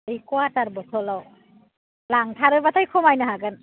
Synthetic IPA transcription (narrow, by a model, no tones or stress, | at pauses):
ɹikɔataɾbɔtʰɔlɔw | laŋtʰaɾɯbatʰajkʰɔmajnaɦaɡɯn